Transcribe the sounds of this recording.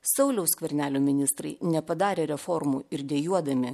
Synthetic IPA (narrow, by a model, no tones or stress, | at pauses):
sɐʊlʲɛʊskʋʲɛɾʲnʲæːlʲoːmʲɪnʲɪst̪ɾɐɪnʲɛpɐd̪ɑːɾʲeːɾʲɛfɔɾmuːɪɾd̪ʲɛːjuɔd̪ɐmʲɪ